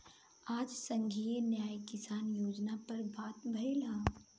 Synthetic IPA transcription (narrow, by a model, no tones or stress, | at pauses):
aːd͡ʒsə̃ŋɡʱinjaːjkɪsaːnjoːd͡ʒnapɐɾbaːt̪bʱɐilaː